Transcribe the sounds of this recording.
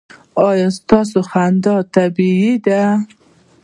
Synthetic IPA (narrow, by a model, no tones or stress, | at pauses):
ɑjɑst̪ɑs̬oxand̪ɑt̪abiid̪a